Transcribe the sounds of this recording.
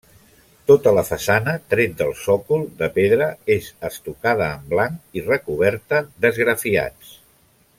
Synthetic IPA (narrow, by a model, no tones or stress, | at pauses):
t̪ot̪ələfəsanət̪ɾet̪̚d̪əlˠsɔkulˠd̪əpeðɾəezəst̪ukað̞əːmblaŋkirəkuβ̞ɛɾt̪əd̪əzɣɾəfia̰t͡s